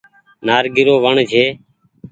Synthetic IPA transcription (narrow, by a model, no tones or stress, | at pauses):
naːɾɡɪɾoːʋəɳd͡ʒʱeː